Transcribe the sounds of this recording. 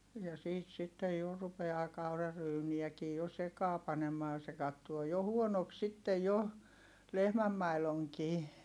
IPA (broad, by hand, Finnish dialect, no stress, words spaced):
jɑ siːt sitːej jo rupeɑː kɑurɑryːniækiː jo sekɑː pɑnemɑː se kɑtːuo jo huonok sitːej jo lehmæmːɑiloŋkiː